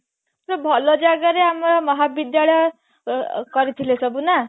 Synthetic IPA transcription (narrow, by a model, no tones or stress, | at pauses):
rʌbʱʌlod͡zaɡaɾeamɾʌmʌɦabid̪jaɭʌ | kʌɾit̪ʰilesʌbuna